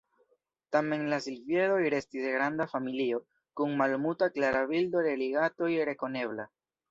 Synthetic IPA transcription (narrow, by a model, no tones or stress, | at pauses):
tame̞nlasilvje̞ɾo̞jɾe̞stiseɡɾandafamilio̞ | kunmalmutaklaɾaβildo̞de̞liɡato̞jɾe̞ko̞ne̞βla